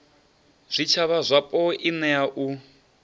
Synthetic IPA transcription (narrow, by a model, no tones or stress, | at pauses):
z̥ʷit͡ʃʰaβazʷapʼɔʔinɛaʔu